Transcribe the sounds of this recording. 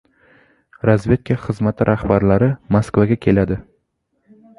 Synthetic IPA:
ɾazve̞t̪̚kʲʰaχɨzmat̪ʰɪɾʔahbaɾlaɾɪmaskvaɡʲakʲʰe̞lad̪ɪ

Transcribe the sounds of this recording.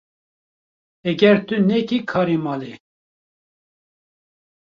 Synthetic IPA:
ɛɡɛɾt̪ɨnɛkikʰɑːɾimɑːle

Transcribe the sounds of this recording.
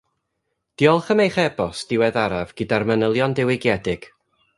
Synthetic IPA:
d̥iɔlˠχəmejχɛbɔsd̥ɪwɛðaɾavɡ̥ɨdarmənəlˠjɔndɪwɪɡjɛdɪɡ̥

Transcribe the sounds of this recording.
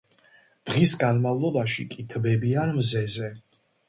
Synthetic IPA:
d̪̥ʁisɡanmavlˠɔbaʃikʼit̪ʰbɛbianmzɛzɛ

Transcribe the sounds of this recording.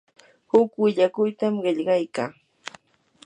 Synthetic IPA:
hʊkwɪʎakʊjt̪amɢɪʎɢɑjkaː

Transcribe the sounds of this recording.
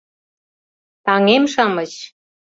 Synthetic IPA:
t̪ɑŋemʃɑmɤ̆t͡ɕ

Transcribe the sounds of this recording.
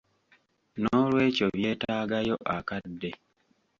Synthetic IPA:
noːlwe̞ːco̞βje̞ːtaːɡajo̞ʔakadːe

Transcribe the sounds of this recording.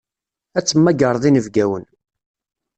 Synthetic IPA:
æt͡sːəmːæɡəɾˤðˤinəvɡæwən

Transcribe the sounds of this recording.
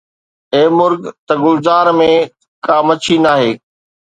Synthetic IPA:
eːmʊɾɡt̪ɐɡʊlzaːɾmẽ | kaːmɐt͡ɕʰinaːɦeː

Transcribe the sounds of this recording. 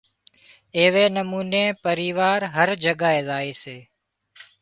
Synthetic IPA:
eːʋeːnəmuːneːpəɾiːʋaːɾɦəɾd͡ʒəɠaːeːzaːeːseː

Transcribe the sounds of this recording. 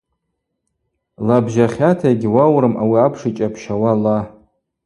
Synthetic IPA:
labʒaχʲatʰajɡʲɪwawɾɨmawiapʰʂit͡ʃʼapʰʃawala

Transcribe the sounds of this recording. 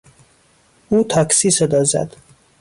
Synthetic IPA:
uːt̪ʰɒːksiːsed̪ɒːzæ̰d̪̥

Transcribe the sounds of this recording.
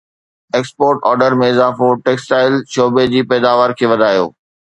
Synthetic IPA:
eːkspoːɾʈɔːɾɖəɾmẽɪzaːfoʈeːksʈaːɪlʃoːbed͡ʑiːpɛːd̪aːʋaːɾkʰeːʋɐd̪ʱaːjo̰ː

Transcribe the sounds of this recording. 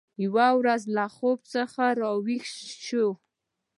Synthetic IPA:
jwawɾazlaxob̚t͡səxaɾɑwixʃo

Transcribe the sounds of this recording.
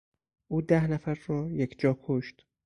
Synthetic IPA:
ʔuːd̪æhnæfæɾrɒːjekʰd͡ʒɒːkʰoʃt̪

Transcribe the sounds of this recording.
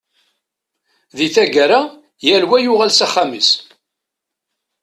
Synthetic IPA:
ðiθæɡəɾa | jælwæjʊʁælsaχamis

